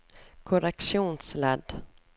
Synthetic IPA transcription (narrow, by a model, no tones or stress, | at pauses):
kʰʊɾɛkʂuːnslɛd̪